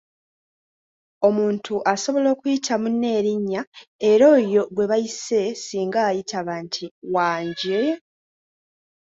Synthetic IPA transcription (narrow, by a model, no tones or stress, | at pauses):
o̞muːntʰuʔaso̞βo̞lo̞ːkujitʰamunːe̞ːɾiɲːae̞ɾo̞ːjo̞ɡwe̞βajise̞siːŋɡaːjitʰaβaːntʰiwaːɲɟe